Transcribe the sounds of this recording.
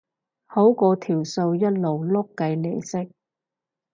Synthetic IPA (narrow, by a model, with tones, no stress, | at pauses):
ho˨˥wkɔː˧t̪ʰiː˨˩wso˧wjɐ˥t̚lo˨wlʊ˥kːɐ˧jle˨˩jsɪ˥k̚